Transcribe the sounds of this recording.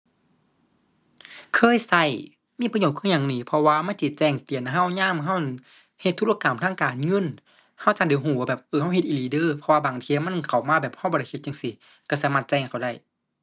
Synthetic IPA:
kʰɤː˧˥˨jsa˧˩j | miː˧˥˨pa˧ɲoː˧˩t̚kʰːɲaː˧˨ŋniː˧˩pʰɔ˧waː˧ma˧˥˨nti˧˩t͡ɕɛː˧˩ŋt̪i˨ənɦa˧˩˨wɲaː˧˥˨mɦa˧˥˨w | he˧t̪ʰːu˧˥l̚ʔa˧ka˨˩mt̪ʰaː˧˥˨ŋkaː˨nŋɤ˧˥˨n | ha˧˩wt͡ɕaː˧˩dɯ˨˦ɦuː˧˩a˧˩bɛː˨˩p̚ʔɤː˧˩ɦa˧˩˨whe˧t̪ʔiː˧˨liː˨˦dɤː˧˥˨pʰɔ˧waː˧baː˨˩˦ŋt̪ʰi˧˨ma˧˥˨nkʰa˨˩wmaː˧˥˨bɛː˨˩p̚ha˧˩˨bɔː˧ɾa˧˩jhe˧t̪̚ja˧ŋsi˧˦ | ka˧˩saː˨˦maː˧t̪̚t͡ɕɛ˧ŋ˨kʰa˨˩wda˧˩j

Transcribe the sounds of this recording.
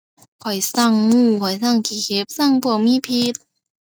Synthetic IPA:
kʰɔ˨˩jsa˧˥˩ŋŋuː˧˥˩kʰɔ˨˩jsa˥˩˨ŋkʰiː˨˩kʰe˧˦˥p̚sa˧˥˩ŋpʰɯ˧˩ə˨miː˧˥˨pʰi˧˥t̪̚

